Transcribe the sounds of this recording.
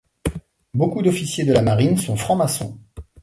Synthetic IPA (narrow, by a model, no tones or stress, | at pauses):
bokud̪ɔfisjed̪əlamaʁinsɔ̃fχɑ̃masɔ̰̃